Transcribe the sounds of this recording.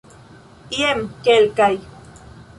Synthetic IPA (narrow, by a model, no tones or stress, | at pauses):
iemkelkaj